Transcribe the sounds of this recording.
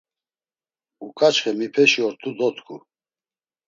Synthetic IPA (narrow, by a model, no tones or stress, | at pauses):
ukʼat͡ʃχɛmipʰɛʃiɔɾt̪ʰud̪ɔt̪kʰu